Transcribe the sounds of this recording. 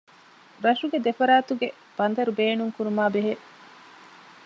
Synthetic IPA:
ɾɐʃuɡed̪efɐɾaːt̪uɡe | b̥ɐnd̪ɐɾubeːnuŋkuɾumaːbeɦe

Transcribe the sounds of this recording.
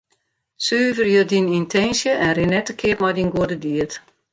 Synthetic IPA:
syːvərjødinintʰɛnsjəʔɛnrɪnɛtəkʰɪətmɔjdinɡuədədiət

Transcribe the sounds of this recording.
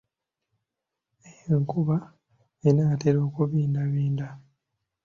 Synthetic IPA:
eeŋkuβa | inaːteɾoːkuβiːndaβiːnda

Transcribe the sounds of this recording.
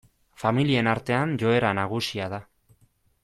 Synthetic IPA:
familie̞naɾt̪e̞anʝo̞e̞ɾanaɣ̞usiaða

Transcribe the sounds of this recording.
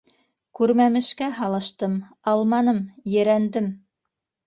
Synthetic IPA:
kʉɾmæmɘ̆ʃkæɦɑlˠɤ̆ʃt̪ɤm | ɑlˠmɑnɤmjɘ̆ɾænd̪ɘm

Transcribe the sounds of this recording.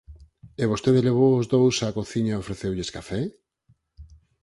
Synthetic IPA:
eβost̪eðeleβ̞owozðowsakoθiɲɐofɾeθewʎeskafɛ

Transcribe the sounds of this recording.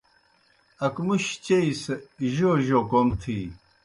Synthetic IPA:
ɐkmuɕt͡ɕeisʑoʑokomt̪ʰi

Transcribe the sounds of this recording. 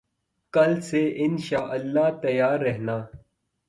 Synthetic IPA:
kɐlseʔɪnʃaːʔɐlːaːt̪ɐjaːɾːɛɦnaː

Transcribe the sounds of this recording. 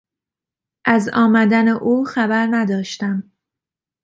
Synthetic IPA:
ʔæzɒːmæd̪æneʔuːxæbæɾnæd̪ɒːʃt̪æm

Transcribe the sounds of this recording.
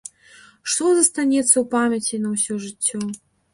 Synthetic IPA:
ʂt̪ɔzɐst̪anʲɛt̪sːɐwpamʲɐt͡sʲinɐwsʲɔʐɨt͡sʲːɔ

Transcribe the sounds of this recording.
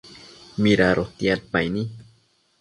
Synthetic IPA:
miɾaɾʔoht̪iat̪̚pajni

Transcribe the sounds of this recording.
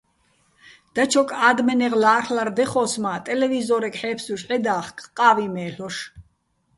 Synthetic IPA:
d̪̥at͡ʃʰɔkʼaːd̪mɛnɛʁlaːrlard̪ɛχɔːsmat̪ʼɛlɛvizɔɾɛkʼħɛːpʰsuʃʕɛd̪aːχkʼqʼaːvimɛːɬɔʃ

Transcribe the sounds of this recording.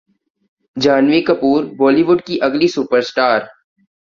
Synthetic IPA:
d͡ʒaːnʋikɐpuːɾbɔːliʋʊɖkiʔɐɡlisupəɾsʈaːɾ

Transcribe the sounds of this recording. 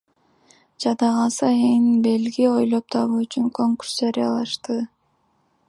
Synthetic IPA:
d͡ʒɑd̪ɑʁɑsɯenbe̞lɡio̞jlˠo̞p̚t̪ʰɑβuːyt͡ʃyŋko̞ŋkur̥sd͡ʒɑɾʲijɑlˠɑʃt̪ɯ

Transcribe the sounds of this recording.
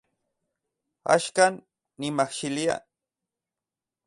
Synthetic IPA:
a̰ʃkanː | imaχʃilia̰

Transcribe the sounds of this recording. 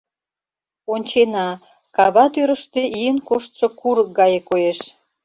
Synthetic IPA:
onʲt͡ɕenɑ | kɑβɑt̪øɾə̆ʃt̪eʔijənkoʃt̪ʃŏkuɾək̚ɡɑjekojeʃ

